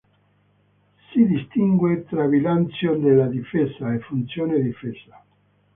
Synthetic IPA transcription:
siðist̪iŋɡwet̪ɾaβilant͡sjond̪elaðifesaefunt̪sjoneðifesa

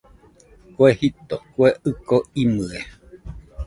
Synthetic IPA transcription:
koehit̪okweʔɨkoimɨe

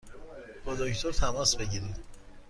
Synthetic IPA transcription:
b̥ɒd̪oct̪ʰoɾt̪ʰæmɒːsbe̞ɟiɾid̪

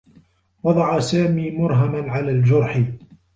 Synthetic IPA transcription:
wɑd̪ˤɑʕasaːmiːmʊɾɦamanʕalaːld͡ʒʊɾˤħɪ

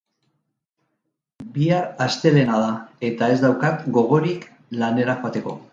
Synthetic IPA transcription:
biaɾast̪e̞le̞nað̞ae̞t̪ae̞zd̪awkatɡo̞ɣ̞o̞ɾik | lane̞ɾaxoat̪e̞ko̞̰

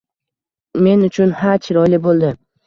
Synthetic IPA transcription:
me̞nʊt͡ʃʰʊnhat͡ʃʰɪɾɒjlɪbolˠd̪ɪ

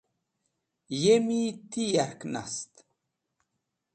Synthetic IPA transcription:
jemit̪ijaɾkna̰st̪

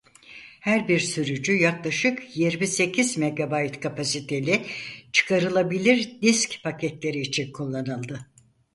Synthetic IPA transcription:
hæɾbiɾsyɾyd͡ʒyjaklˠaʃɯkjiɾmise̞cʰizme̞ɡabajt̪kʰapʰasit̪ʰe̞lʲit͡ʃʰɯ̥kʰaɾɯlˠabilʲiɾd̪iscpʰacʰɛt̪lʲe̞ɾiːt͡ʃʰinkʰulˠːanɯlˠd̪ɯ

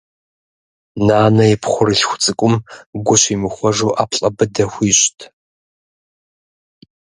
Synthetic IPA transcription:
naːnɐjɪpʰχʷʊɾɨɬxʷʊt͡sʼɨkʷʼʊmɡʷʊɕiːmɨxʷɔʐuːʔaːpʰɬʼɐbɨdɐxʷiːɕtʰ

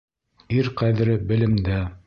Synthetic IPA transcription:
iɾqæðɘ̆ɾɘbɘ̆lɘ̆md̪æ

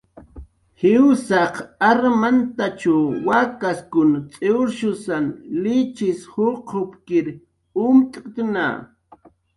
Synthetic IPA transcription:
hɪwsɑqaɾmant̪at͡ʃawakaskʊnt͡sʼeɾʃʊsanlɪt͡ʃɪshʊqhʊpkɪɾ | ʊmt̪ʼt̪ʊna̰

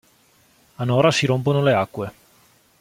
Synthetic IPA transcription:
anɔːɾasiɾomponoleakːwe

